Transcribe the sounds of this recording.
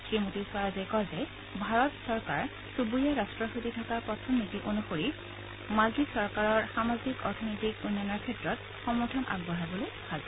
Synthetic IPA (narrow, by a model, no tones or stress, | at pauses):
kɹimutisaɹazajkɔzɛ | bʱaɹɔtsɔɹkaɹ | subujɛɹastɹɔxutitʰɔkapɹɔtʰɔmnitiʔonuxoɹi | malɡisɔɹkaɹɔɹxamazikɔɹtʰɔnɔjtikunjanaɹkʰɛtɹɔt | xɔmɔɹtʰɔnʔa̰ɡ̚bɔɦabɔlojkʰaza